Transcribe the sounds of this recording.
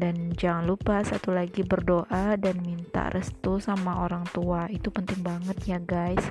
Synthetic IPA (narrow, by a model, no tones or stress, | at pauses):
dand͡ʒaŋanlupasat̪ulaɡibərdoʔadanmint̪a̰rəst̪usamaʔoɾaŋt̪uait̪upənt̪ɪŋbaŋət̪̚jaɡajs